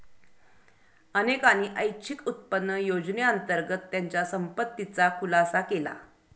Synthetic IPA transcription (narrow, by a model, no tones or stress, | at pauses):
ənekañiːʔəjt͡ɕʰikut̪̚pənːəjod͡ʑneənt̪əɾɡət̪ːjaɲt͡ɕjasəmpət̪ːit͡sakʰulasakela̰